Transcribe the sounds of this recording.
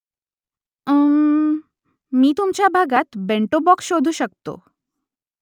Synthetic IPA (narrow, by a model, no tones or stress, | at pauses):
ə | miːt̪umt͡ɕabʱaɡat̪beɳʈobɔksʃod̪ʱuʃəkt̪o̰